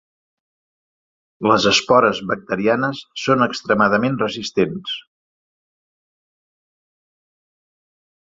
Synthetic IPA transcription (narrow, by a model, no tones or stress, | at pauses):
ləzəspɔɾəzβək̚t̪əɾianəsːonəkst̪ɾəmaðəmenrəzist̪ens